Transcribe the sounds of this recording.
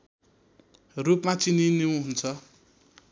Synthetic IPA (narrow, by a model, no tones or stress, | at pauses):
rupmãt͡sininiũɦunt͡sʰʌ